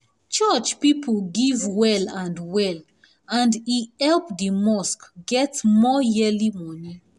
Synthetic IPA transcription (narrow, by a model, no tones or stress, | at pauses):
t͡ʃɔt͡ʃpipʰəlɡivwɛlãndwɛl | ãndiɛlpdimɔskɡɛtmɔjɛlimɔni